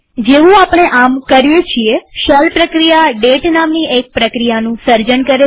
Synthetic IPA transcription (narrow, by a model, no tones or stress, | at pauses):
d͡ʒeʋũapɳ̃eʔamkəɾjet͡ʃʰieʃəlpɾəkɾijaɖeʈnamniek̚pɾəkɾijanũsəɾd͡ʒəɳkəɾe